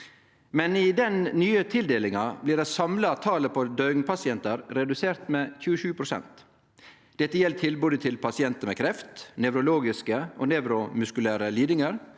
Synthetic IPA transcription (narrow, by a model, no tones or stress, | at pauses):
mɛnɪd̪ɛnnyːət̪ʰɪld̪eːlɪŋɑblɪːɖɛsɑmlɑt̪ʰɑːləpʰod̪œʏŋpʰɑsɪɛnt̪əɾɾɛd̪ʉseːɾt̪meːçʉːəʃʉːpʰɾʊsɛ̰nt̪ | d̪̥ɛt̪ːəjɛlt̪ʰɪlbʉːd̪ət̪ʰɪlpʰɑsɪɛnt̪əmɛːkʰɾɛft̪nɛʉɾʊloːɡɪskəʔoːnɛʋɾʊmʉskʉlæːɾəliːd̪ɪŋəɾ